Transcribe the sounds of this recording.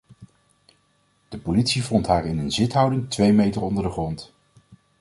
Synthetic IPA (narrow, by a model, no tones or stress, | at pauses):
d̥əpolitsivɔntɦaːɹɪnənzɪtɦʌwdɪŋtʋejmejtərɔndəɹdəχrɔnt